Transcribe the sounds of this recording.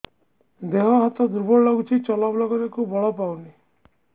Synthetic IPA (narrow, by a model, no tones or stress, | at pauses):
d̪eɦɔɦat̪ɔd̪uɾbɔɭlɔɡut͡ʃʰit͡ʃɔlabɔlɔɡɔɾekubɔɭɔpawni